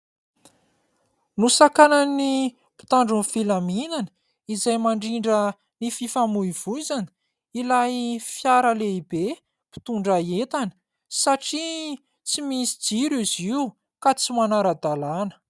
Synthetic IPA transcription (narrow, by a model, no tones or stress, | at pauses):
nusakanəni | pi̥t̪aɳɖ͡ʐunfilaminanə̥ | izajmaɳɖ͡ʐiɳɖ͡ʐə | nififamuiv̥uzanə̥ | ilajfjaɾəleibe | pi̥t̪uɳɖ͡ʐaet̪anə̥ | saʈ͡ʂi | t͡simisi̥d͡ziɾiziu | kat͡simanaɾəd̪alanə̥